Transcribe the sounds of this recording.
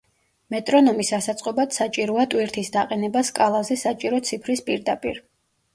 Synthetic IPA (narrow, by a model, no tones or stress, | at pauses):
mɛt̪ʼɾɔnɔmisasat̪sʼqʼɔbad̪sat͡ʃʼiɾɔat̪ʼwiɾt̪ʰisd̪aqʼɛnɛbaskʼalˠazɛsat͡ʃʼiɾɔt̪sʰipʰɾispʼiɾd̪apʼḭɾ